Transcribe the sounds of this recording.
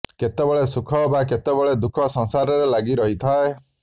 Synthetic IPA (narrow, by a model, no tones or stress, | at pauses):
ket̪ebɔɭesukʰɔbak̬et̪ebɔɭed̪ukʰɔsɔ̃ŋsaɾɔɾelaɡiɾɔɦit̪ʰae